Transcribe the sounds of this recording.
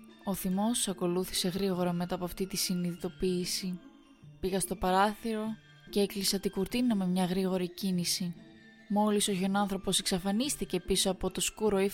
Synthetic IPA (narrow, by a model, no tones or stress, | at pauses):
o̞θimo̞sɐko̞luθi̥se̞ɣɾiɣo̞ɾɐme̞t̪ɐpoɐft̪it̪isiniðit̪o̞piːsi | piɣɐst̪o̞pɐɾɐθiɾo̞ | ceeklisɐt̪iɡuɾt̪inɐme̞mɲɐɣɾiɣo̞ɾicinisi | mo̞liso̞ço̞nɐnθɾo̞po̞se̞ksɐfɐnist̪ice̞piso̞ɐpo̞t̪o̞skuɾo̞i